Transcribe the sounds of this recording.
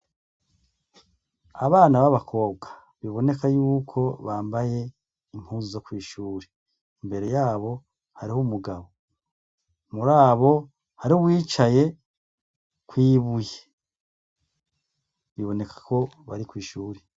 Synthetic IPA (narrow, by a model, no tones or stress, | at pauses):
aβaːnaβaβakʰo̞bɡa | βiβo̞ne̞kajuːkʰo̞βaːmbaje̞ | im̥huzo̞kwiːʃuːɾe | imbe̞ɾe̞jaːβo̞ | haɾihumuɡaβo̞ | muɾaːβo̞ | haɾiowiːt͡ʃaje̞ | kwiːβuje | βiβo̞ne̞kḁko̞ | βa̰ɾikwiːʃuːɾe